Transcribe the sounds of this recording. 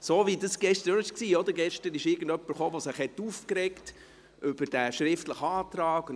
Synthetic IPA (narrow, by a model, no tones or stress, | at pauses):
soːvidəsɡ̥ɛʃtəɾɪʃksiːɔd̪əɡɛʃtəɾɪʃɪɾɡəndœpːəɾχoːʋosɪχhɛtːufkɾɛkt | ʔʏb̥əɾd̥æʃɾɪftləχɑːt̪ɾɑːɡ̥